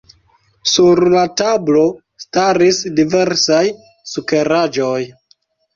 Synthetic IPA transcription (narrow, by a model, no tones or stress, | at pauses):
suɾlatablo̞ | staɾisdive̞ɾsaj | suke̞ɾad͡ʒo̞j